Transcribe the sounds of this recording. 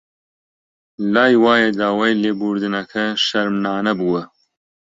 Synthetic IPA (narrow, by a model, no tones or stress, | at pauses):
laːjwaːjɐd̪aːwaːjleːbuːɾd̪ɨnɐkʰɐʃɐɾmnaːnɐbuwə